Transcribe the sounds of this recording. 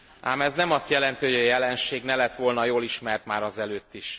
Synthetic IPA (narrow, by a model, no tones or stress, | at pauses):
ʔaːmɛznɛmɒst̪jɛlɛnt̪iɦo̞ɟɒjɛlɛnʃeːɡnɛlɛt̪ʋolnɒjoːliʃmɛrt̪maːɾɒzɛløːt̪ːiʃ